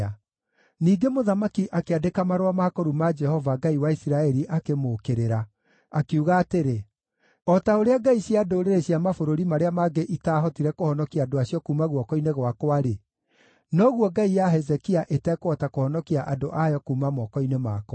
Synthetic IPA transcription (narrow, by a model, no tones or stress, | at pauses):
a | niːɡemoðamakiʔakeadekamaɾwamakɔɾumad͡ʒɛhɔvaɡaiwaisiɾaɛɾiʔakemoːkeɾeɾa | akeuɣaːteɾe | ɔtaoɾeaɡaiɕiadoːɾeɾeɕjamafoɾoɾimaɾeamaɡeʔitaːɦɔtiɾɛkohɔnɔkiaːdoaɕiɔkuːmaɣwɔkɔineɣwakwaɾe | nɔɣwɔɡaijaɦɛzɛkiaʔetɛkwɔtakohɔnɔkiaʔadoʔajɔkuːmamɔkɔinemaːk